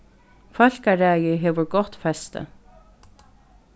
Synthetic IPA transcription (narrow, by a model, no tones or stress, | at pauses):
fœl̥kaɾæjəɦeːʋəɹɡɔt̪fɛst̪ə̰